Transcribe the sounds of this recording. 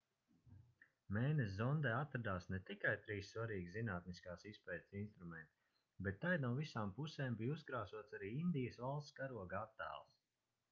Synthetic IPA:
mɛːjnes̬zɔnd̪ɛat̪ːɾad̪aːsnɛt̪ikajt̪ɾiːsːvaɾiːɡʲizinaːt̪̚niskaːsispɛːt̪sinst̪ɾumɛnt̪i̥ | bɛt̪ːajd̪nuɔvisaːmpusɛːmbijuzɡɾaːsuɔt̪saɾiːind̪ijəsvalˠst̪skaɾuɔɡat̪ːæ̰ːlˠs

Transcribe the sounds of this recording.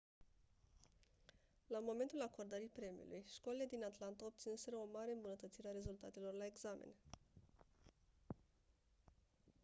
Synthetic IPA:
lamo̞me̞nt̪ulako̞rd̪əɾijpɾe̞mḭṵlʔujʃkolile̞d̪inat̪lant̪ao̞b̚t̪sinse̞ɾəo̞maɾeɨmbunət̪ət̪siɾeaɾe̞zult̪at̪e̞lo̞rlae̞ɡz̥amḛn

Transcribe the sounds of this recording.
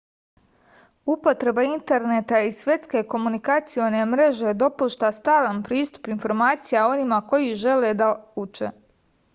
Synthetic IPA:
upo̞t̪ɾe̞baint̪e̞ɾne̞t̪aisʋje̞t̪ske̞ko̞munikat̪sijo̞ne̞mɾe̞ʒe̞d̪o̞puʃt̪ast̪aːlanpɾiːst̪u̥pinfo̞ɾmaːt̪sijao̞nimako̞jiʒe̞le̞d̪aut͡ʃḛ

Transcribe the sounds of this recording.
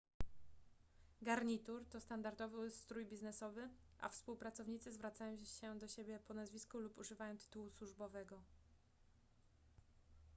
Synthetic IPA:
ɡaɾɲit̪uɾt̪ɔst̪and̪aɾd̪ɔvɘst̪ɾujbʲiznɛsɔvɘ | ʔa̰fspuwpɾat̪sɔvɲit̪sɘzvɾat̪sajɔ̃ɕɛd̪ɔɕebʲjɛpɔnazvʲiskulupuʐɘvajɔ̃wt̪ɘ̥t̪uwuswuʐbɔvɛɡɔ

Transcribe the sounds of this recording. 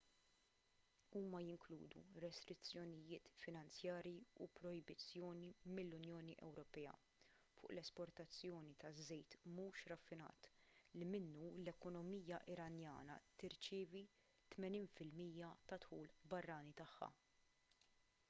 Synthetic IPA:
uːmɐjɪŋkluːd̪ṵɾɛst̪ɾɪt͡sːjɔnɪjɪːt̪fɪnɐnt͡sjɐːɾjiṵpɾɔɪbɪt͡sːjɔːnimɪlːʊnjɔːniʔɛ̰wɾɔpɛːɐ̰ | fʊ̰ːʔlɛspɔɾt̪ɐt͡sːjɔːnit̪ɐzːɛjt̪muːʃɾɐfːɪnɐ̰ːt̪limɪnːulɛkɔnɔmiːjɐʔɪɾɐnjɐ̰ːnɐ̰t̪ɪɾt͡ʃɪːvi | t̪mɛniːnfɪlmiːjɐt̪ɐt̪ħuːlbɐrːɐːnit̪ɐħːɐ̰

